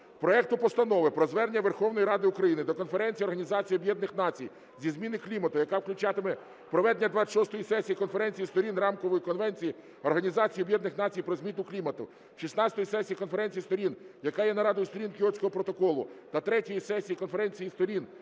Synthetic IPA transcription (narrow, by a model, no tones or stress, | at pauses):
pɾɔɛk̚t̪ʊpɔst̪ɐnɔʋɪpɾɔzʋɛrnʲːɐʋerxɔwnɔjiɾɑd̪ɪʊkɾɐjinɪd̪ɔkɔnfeɾɛnʲt͡sʲijiɔrɦɐnʲizɑt͡sʲijɔbjɛd̪nɪxnɑt͡sʲij | zʲizmʲinɪklʲimɐt̪ʊjɐkɑʋklʲʊt͡ʃɑt̪ɪmɛ | pɾɔʋɛd̪nʲɐd̪ʋɑʃɔst̪ɔjisɛsʲijikɔnfeɾɛnʲt͡sʲijist̪ɔɾʲinrɑmkɔʋɔjikɔnʋɛnʲt͡sʲiji | ɔrɦɐnʲizɑt͡sʲijɔbjɛd̪nɪxn̪ɑt͡sʲijpɾɔzʲmʲit̪ʊklʲimɐt̪ʊ̰̥ | ʃisnɑt͡sʲt̪ɔjisɛsʲijikɔnfeɾɛnʲt͡sʲijist̪ɔɾʲinjɐkɑjɛnɐɾɑd̪ʊjist̪ɔɾʲinkʲiɔsʲkɔɦɔpɾɔt̪ɔkɔlˠʊ̰t̪ɐt̪ɾɛtʲijisɛsʲijikɔnfeɾɛnʲt͡sʲijist̪ɔɾʲin